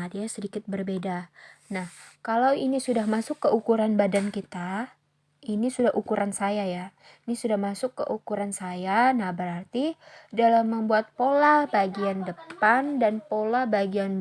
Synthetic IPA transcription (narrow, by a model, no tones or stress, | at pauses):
dijasədikɪt̪̚bərbedanahkalawinisudahmasʊkːəukuɾanbadankit̪a | inisudahʔukuɾʔansajaja | inisudahmasʊkːə̰ʔukuɾansajanahbəɾart̪idalamːəmbuat̪̚polahbaɡiandəandanpolahbaɡian